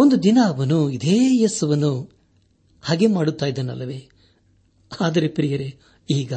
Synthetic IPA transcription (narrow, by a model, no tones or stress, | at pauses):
ond̪ud̪inɐɐʋɐnuid̪eːjesɐʋɐnːu | hɐɡe̞maːɽut̪ːaːjid̪ɐnɐ̰lːɐʋeː | aːd̪ɐɾe̞pɾijɐɾe | iːɡɐ